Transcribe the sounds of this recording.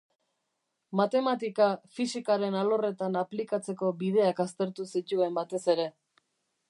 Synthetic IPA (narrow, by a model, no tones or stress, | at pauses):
mat̪e̞mat̪̬ikafisikaɾe̞nalo̞re̞t̪anaplikat͡se̞ko̞bið̞e̞akast̪e̞ɾt̪usit̪ue̞mbat̪e̞se̞ɾe̞